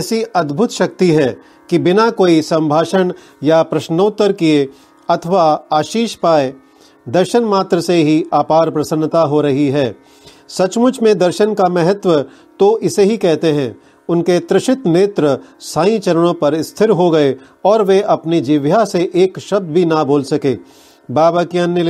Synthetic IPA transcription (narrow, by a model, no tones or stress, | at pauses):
ɛːsiɐd̪bʱʊt̪ʃɐk̚t̪iɦɛː | kibɪnakoːisɐ̃mbʱaːʃən | japɾɐʃnəːt̪ːəɾkie | ɐt̪ʰəʋaaːʃiːʃpaːe | d̪ɐɾʃənmaːt̪ɾəseɦiaːpaːɾpɾɐsə̃nːt̪aɦoɾɐɦiɦɛː | sɐt͡ʃmʊt͡ʃʰmẽd̪ɐɾʃənkamɛɦət̪ʋə | t̪oʔɪseɦikɛɦt̪eɦɛ̃ː | ʊnket̪ɾɪʃɪt̪meːt̪ɾəsãːĩt͡ʃɐɾəɽ̃õpɐɾɪst̪ʰɪɾɦoɡɐe | ɔːɾʋeʔɐpnid͡ʒɪʋjaseʔeːkʃɐb̚d̪bʱinaboːlsɐkeː | baːbakiɐnːə